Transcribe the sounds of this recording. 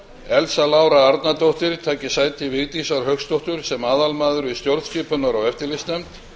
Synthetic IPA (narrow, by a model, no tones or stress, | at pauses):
ɛlsalaːwɾaaɾt̪nat̪owht̪ɪɾ̥t̪ʰaːcɪsajt̪ʰɪvɪɣt̪isaɾ̥ɦœkst̪owht̪ʏɾ̥sɛmaːðalmaːðʏɾist̪jowɾð̥scɪːpʏnvaɾawɛft̪ɪlɪst̪nɛmt̪